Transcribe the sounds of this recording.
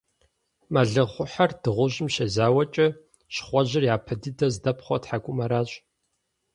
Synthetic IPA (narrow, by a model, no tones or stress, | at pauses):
mɐɮɨʁʷʊħard̥ɨʁʷʊʑɪmʃɐzaːwɐt͡ʃʼɐ | ɕχʷɔʑɪrjaːpʰɐdɨdɐzdɐpχʷɔtħakʷʼʊmɐɾaːɕʼ